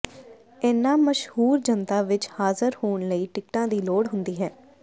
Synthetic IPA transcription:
enːãːməʃhuːɾd͡ʒənt̪aːʋɪt͡ʃhaːzəɾhoːɳləiːʈɪkʈãːd̪iːloːɽɦʊnd̪iːɦɛː

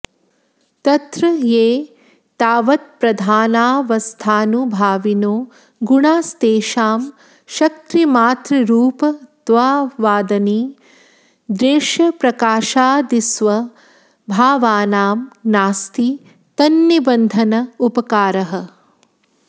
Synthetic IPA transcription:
t̪ɐt̪ɾɐjeː | t̪aːʋɐt̪̚pɾɐd̪ʱaːnaːʋɐst̪ʰaːnubʱaːʋinoː | ɡuɳaːst̪eːʃaːm | ʃɐk̚t̪ɾimaːt̪ɾɐɾuːpɐd̪̥ʋaːʋaːd̪ɐniː | d̪ɾeːʃɐpɾɐkaːʃaːd̪isʋɐ | bʱaːʋaːnaːmnaːst̪i | t̪ɐnːibɐnd̪ʱɐnɐupɐkaːɾɐɦɐ̆

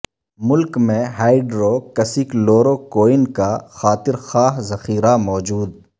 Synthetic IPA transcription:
mʊlkmẽɦaːɪɖɾoːkɐsɪkloːɾokoːɪnkaxaːt̪ɪɾxaːɦzɐxiːɾamɔːd͡ʒuːd̪̚

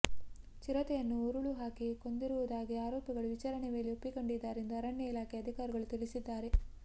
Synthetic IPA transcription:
t͡ʃiɾɐt̪ɛjɐnːuuɾuɭuɦaːkiko̞nd̪iɾuʋud̪aːɡiaːɾoːpjɐɡɐɭuʋit͡ʃaːɾɐɳɛme̞ːliopːikoɳɖid̪ːaːɾend̪uɐɾɐɳjɐilaːkʰeɐd̪ʱikaːɾiɡɐɭut̪iɭisid̪ːaːɾe̞

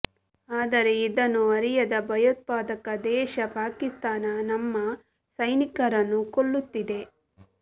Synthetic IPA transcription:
aːd̪ɐɾe̞id̪ɐnːuɐɾijɐd̪ɐbʱɐjot̪̚paːd̪ɐkɐd̪ɛːʃɐpaːkist̪aːnɐnɐmːɐ | sɐjnikɐɾɐnːukoɭːut̪ːid̪e̞

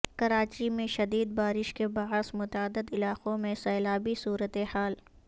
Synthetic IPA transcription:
kɐɾaːt͡ʃimẽʃɐd̪iːd̪̚baːɾɪʃkebaːsmʊt̪aəd̪ːəd̪ɪlaːqõmẽsɐːlaːbisuːɾət̪ehaːl

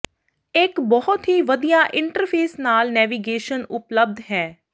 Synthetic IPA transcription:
ɪkbɔɦʊt̪ɦiːʋəd̪ijaːʔɪ̃ɳʈəɾpʰeːsnaːlnɛːʋiɡeːʃənʊpləb̚d̪ɦɛː

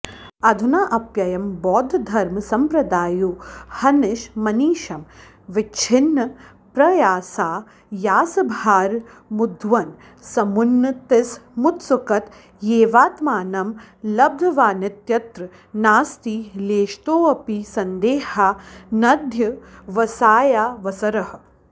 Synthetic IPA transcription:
ɐd̪ʱunaːʔɐpjɐjɐmbɔːd̪ʱɐd̪ʱɐɾmsɐmpɾɐd̪aːjuhɐnɪʃmɐniːʃɐm | ʋɪt͡ʃʰɪnːɐ | pɾɐjaːsaː | jaːsɐbʱaːɾ | mud̪ʱʋɐn | sɐmunːɐt̪ɪsmut̪sukɐt̪ | jeːʋaːt̪maːnɐm | lɐb̚d̪ʱɐʋaːnɪt̪jɐt̪ɾɨ | naːst̪iːleːʃt̪oːɐpisɐnd̪eːhaːnɐd̪ʱjɐʋɐsaːjaːʋɐsɐɾɐhɐ̆

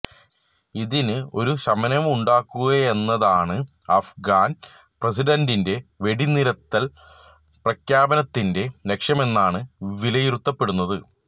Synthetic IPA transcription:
iðinɨo̞ɾuɕɐmɐnɐmuɳɖaːkːuɣɐe̞nːɐðaːɳɨ | ɐfɡaːn | prɐsiɖɐndinde̞ʋe̞ɽiniɾɐt̪ːɐl | prɐkjaːbɐnɐt̪ːinde̞le̞kʂɐme̞nːaːɳɨʋilɐjiɾut̪ːɐpːe̞ɽunːɐðɨ

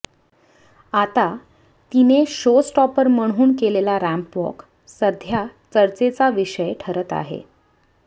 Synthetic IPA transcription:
at̪a | t̪ineɕosʈɔpəɾməɽ̤̃uːɳkelelaɾæmpʋɔ̰k | səd̪ʱjat͡səɾt͡set͡saʋiɕəjʈʰəɾət̪a̰ɦḛ

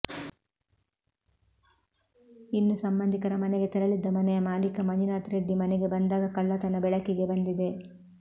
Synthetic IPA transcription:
inːusɐmbɐnd̪ʱikɐɾɐmɐnɛɡe̞t̪ɛɾɐɭid̪ːɐmɐnɛjɐmaːlikɐmɐninaːt̪ɾeɖːimɐnɛɡe̞bɐnd̪aːɡɐkɐɭːɐt̪ɐnːɐbɛɭɐkiɡe̞bɐnd̪id̪e̞

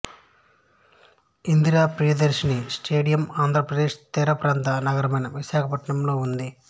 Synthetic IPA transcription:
ind̪iɾaːpɾijɐd̪eɾʃinisʈeːɽijɐmaːnd̪ʱɾɐpɾɐd̪eːʃt̪ɛːɾɐpɐɾaːnt̪ɐnɐɡɐɾɐmɐjnɐʋiʃaːkʰɐpɐʈɐɳɐmlo̞ːund̪i

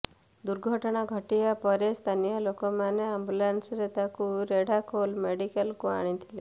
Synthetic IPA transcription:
d̪uɾɡʱɔʈɔɽ̃aɡʱɔʈijapɔɾest̪ʰanijɔlokɔmaneambulansɾet̪akuɾeɽ̤ʱakolmeɽikəlkua̰ɽ̃it̪ʰile

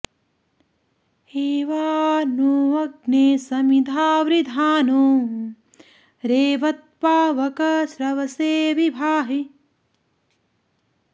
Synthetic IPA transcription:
eːʋaːnuːʋɐɡneːsɐmid̪ʱaːʋɾid̪ʱaːnuː | ɾeːʋɐt̪̚paːʋɐkɐsɾɐʋɐseːʋibʱaːɦi

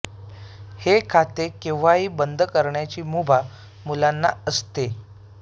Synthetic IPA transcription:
hekʰat̪ekẽʋʋaɦiːbənd̪ʱəkəɾɳjat͡ɕiːmubʱa | mulanːa̰əst̪e

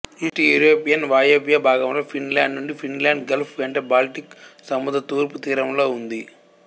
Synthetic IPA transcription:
iʈiɛɾoːpijɐnʋaːjeːpjɐbʱaːɡɐmloːfinlaːɳɖnuɳɖifʰinlaːɳɖɡɐlpʰʋeːɳʈɐbaːlʈiksɐmud̪ɐt̪uːɾput̪iːɾɐmloːund̪i

